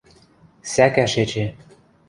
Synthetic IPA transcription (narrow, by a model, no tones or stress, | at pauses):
sækæʃet͡ɕe